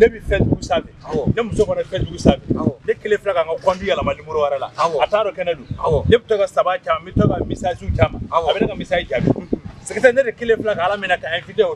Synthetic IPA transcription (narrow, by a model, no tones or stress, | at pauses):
nebĩfɛduɡusabɛnemusokɔnafɛduɡusabɛ̃nekelẽfilakãŋkakãndũjalamalimuɾowaɾala̰ataːɾɔkɛnɛdõnebɛtɔkasabat͡ʃaːmãmĩtɔkamisad͡ʒiut͡ʃaːmã̰abɛnakamisad͡ʒid͡ʒabikũusekɛtɛ̃nedekelẽflakaalamĩnakaɛ̃fitɛo